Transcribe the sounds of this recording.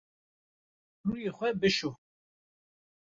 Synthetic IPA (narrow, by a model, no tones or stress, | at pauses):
ruːjeːxʷɛbɨʃu